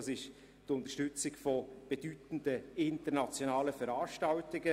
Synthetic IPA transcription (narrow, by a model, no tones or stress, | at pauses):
ɑsɪʃ | tʊnt̪əʃtʏt͡sɪɡfɔb̥ed̥ytn̩dəɪntəɾnɑt͡sjonɑːləfəɾɑːʃtɑʊtɪɡə